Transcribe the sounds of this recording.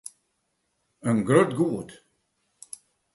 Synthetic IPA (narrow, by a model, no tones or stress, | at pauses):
ənɡɾøtɡuət